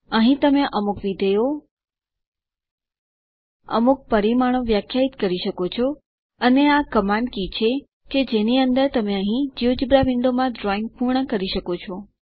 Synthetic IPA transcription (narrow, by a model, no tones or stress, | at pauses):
əɦĩt̪əmeʔəmukʋid̪ʱəjo | ə̰muk̚pəɾimaɽ̃õʋjakʰjait̪kəɾiʃəkot͡ʃʰo | əneakəmaɳɖkit͡ʃʰe | ked͡ʒeniənd̪əɾt̪əmeəɦĩd͡ʒiʋd͡ʒibɾaʋɪɳɖomãd̪ɾɔĩŋɡ̚puɾɳəkəɾiʃəkot͡ʃʰɔ